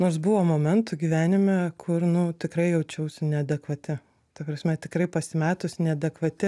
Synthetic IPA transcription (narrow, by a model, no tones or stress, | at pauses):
noːɾsbʊʋoːmoːmʲɛnt̪ʊɡʲiːʋʲæːnʲɪmʲɛkʰʊrnʊt̪ʲɪkɾɐɪjɛʊt͡ʃʲɛʊsʲɪnʲɛɐd̪ʲɛkʋɐt̪ʲɪ | t̪ɐpɾɐsʲmʲɛt̪ʲɪkɾɐɪpɐsʲmʲæːt̪ʊsnʲɛɐd̪ʲɛkʋɐt̪ʲɪ